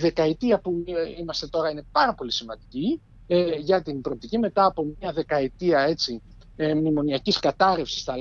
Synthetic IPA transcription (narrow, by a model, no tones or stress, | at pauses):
ðe̞kɐit̪iɐpuimɐst̪e̞t̪o̞ɾɐine̞pɐɾɐpo̞lisimɐnd̪ici | ʝɐt̪imbɾop̚t̪icime̞t̪ɐːpo̞mɲɐðe̞kɐit̪iɐe̞t͡si | mnimo̞niɐciskɐt̪ɐɾefsi̥st̪ɐ